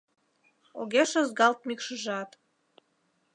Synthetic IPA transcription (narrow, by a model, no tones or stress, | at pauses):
o̰ɣeʃəzɡɑlt̪̚mikʃəʒɑt̪